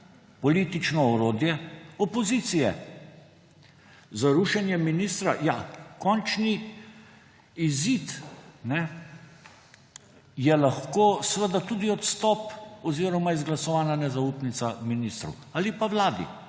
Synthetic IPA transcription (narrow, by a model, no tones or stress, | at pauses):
pɔliːt̪it͡ʃnɔɔɾoːd̪jɛɔpɔzit̪sijɛ̰ | zaɾuʃɛnjɛminiːst̪ɾajakɔnt͡ʃni | izit̪nɛ | jɛlaxkoːsʋəd̪at̪ud̪iɔt̪st̪ɔpɔziːɾɔmaizɡlasɔʋaːnanɛzauːpnit̪saminist̪ɾɔ̰w | alipaʋlaːd̪ḭ